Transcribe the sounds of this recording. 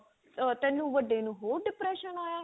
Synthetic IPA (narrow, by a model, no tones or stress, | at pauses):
t̪ɛ̃ːnːũːʋəɖeːnũːɦoːɾɖɪpɾɛːʃənaːjaː